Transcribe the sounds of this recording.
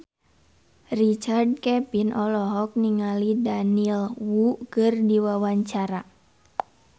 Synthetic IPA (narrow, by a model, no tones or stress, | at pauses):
rit͡ʃard̚kɛpinʔɔlɔɦɔk̚niŋalidanilwukɨrdiwawaɲt͡ʃaɾa